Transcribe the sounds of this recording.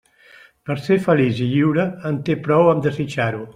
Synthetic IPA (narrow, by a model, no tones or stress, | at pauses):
pəɾsefəliziʎiwɾəːnt̪epɾɔwəmd̪əzit͡ʃaɾu